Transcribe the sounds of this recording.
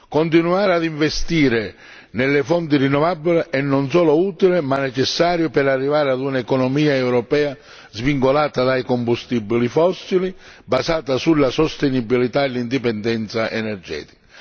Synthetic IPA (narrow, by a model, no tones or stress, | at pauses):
kɔnt̪̬inuaːɾɪad̪iɱvɛst̪iːɾɪ | nɛlːɪfɔnt̪̬irinːɔvabːilɪʔɛnːɔnsɔːlʊuːt̪ilɪmanːɛt͡ʃɛsːaːɾjʊpɛɾarːivaːɾɪad̪unaɛkɔnɔmiːaɛwɾɔpɛːa | zviŋkolaːt̪ad̪ajkɔmbust̪ibːilifɔsːili | basaːt̪asulːasɔst̪ɛnibːilit̪aɛlːind̪ipɛnd̪ɛnt̪saʔɛnɛrd͡ʒɛ̰ːt̪i̥ka